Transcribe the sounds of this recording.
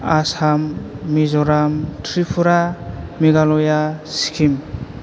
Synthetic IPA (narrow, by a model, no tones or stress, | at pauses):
asamːizɔɾamtʰɾipʰuɾamiɡalɔjasi̥kʰim